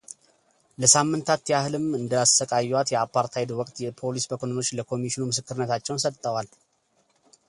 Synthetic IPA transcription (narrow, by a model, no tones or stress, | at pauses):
ləsamːɨnt̪ʰat̪jahɨlɨmɨnd̪əasəkʼajːwat̪jɛapːaɾt̪ʰajd̪wɔkʼt̪jɛpʰo̞lisbəkʰonono̞t͡ʃːləkʰo̞miʃinumɨsɨkːɨɾɨnːət̪ʰat͡ʃːɛwnsət̪ʼːəwal